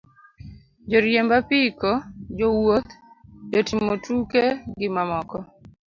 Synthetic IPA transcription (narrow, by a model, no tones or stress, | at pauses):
d͡ʒoɾjembapikod͡ʒowot̪d͡ʒotimotukeɡɪmamɔkɔ